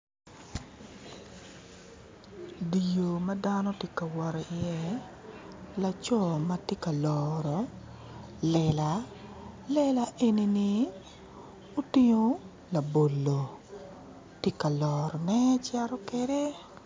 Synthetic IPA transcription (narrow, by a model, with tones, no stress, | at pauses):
di˨jo˨ma˦da˦nɔ˦tji˦ka˨wɔ˨ɾe˨ɪ˨ɛ˦ | la˨t͡ʃɔ˦˨ma˦ti˦ka˨lɔɾɔ˨ | lɛla˨ | lɛ˦la˦ʔe˦ni˦ni˦ | o˦ti˦ɲo˦ | la˨bo˨lːo˨ | te˦ka˨lɔːɾɔ˨nɛ˦t͡ʃɛ˦ɾɔ˦ke˦de˦